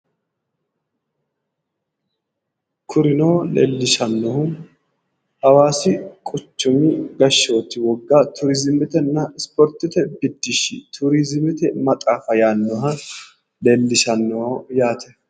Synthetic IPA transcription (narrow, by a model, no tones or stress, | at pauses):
kʰʊɾɪnoːlḛːlːɪʃɐnːɔhʊn | hɐwaːsɪkʼʊt͡ʃːʊmɪɡɐʃːoːt̪ːɪwɔɡːaːt̪ʰʊɾɪzɪmɪt̪ɛnːɐɪspɔɾt̪ːɪt̪ɛbɪd̪ːɪʃɪ̰t̪ʰʊɾizɪmɪt̪ɛmɐt̪ʼaːfɐjaːnːɔɦɐ | le̞ːlːɪʃɐnːɔojaːt̪ʰɛ